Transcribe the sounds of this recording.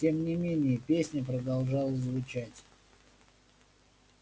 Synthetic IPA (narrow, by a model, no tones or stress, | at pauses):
tʲe̞mnʲɪmʲenʲɪjəpʲesʲnʲəp̬ɾəd̪alˠʐalˠəzvʊt͡ɕætʲ